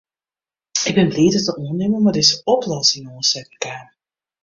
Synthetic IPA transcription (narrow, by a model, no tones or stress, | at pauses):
ɪɡ̚bɛnbliːtətəʔoənɪmənmadɪzəɔplɔsɪŋosɛtməkaːn